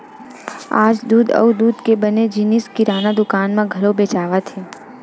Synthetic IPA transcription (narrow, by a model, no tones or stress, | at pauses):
a̰ːd͡ʒd̪uːd̪ə̰ud̪uːd̪kebəned͡ʒiniskiɾaːnad̪ʊkaːnmãɡʱəɾobeːt͡ʃaːʋat̪ʰe